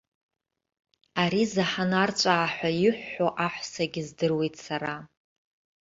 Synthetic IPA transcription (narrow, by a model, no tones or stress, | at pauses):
aɾizaħanart͡ʃʷʼaːħʷajɪħʷːoʔaħʷsaɡʲɪzdɨrwe̞jtʰʼsaɾa